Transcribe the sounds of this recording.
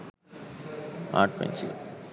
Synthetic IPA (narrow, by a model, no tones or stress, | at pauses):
a̰ːʈ̚pḛ̃nsḭl